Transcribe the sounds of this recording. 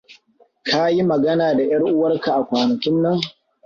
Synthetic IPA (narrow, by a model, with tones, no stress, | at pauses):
kʰa˦ji˦mɐ˨ɡɐ˦naː˨da˨j̰ɐ˦ɾʔʊ˦wɐ˦rka˨ʔa˨kʷaː˨nɐ˨kʲɪ˦nːɐ˦ŋ